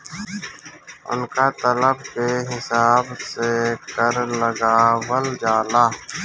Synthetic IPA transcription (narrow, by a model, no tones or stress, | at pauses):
ʊ̰nkaːt̪ələb̚keɦɪsaːbsekəɾləɡaːwəld͡ʒaːlaː